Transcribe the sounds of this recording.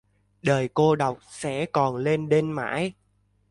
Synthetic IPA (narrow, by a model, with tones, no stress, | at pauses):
ɗəː˨˩jko˧ɗə˨˩wk͡p̚sɛ̰˧˥kɔ˨˩nle˧nɗe˧nma̰ː˧˥j